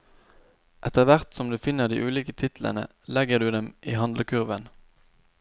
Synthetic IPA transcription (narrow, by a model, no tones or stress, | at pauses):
ʔɛt̪əʁʋæʁt̪sɔmd̪ʉːfɪnːəʁd̪ḭːʔʉːliːkət̪ʰɪt̪l̩ʔə̰nə̰ | lɛɡəʁd̪ʉːd̪ɛmʔiːhɑnd̪ləkʰʉʁʋən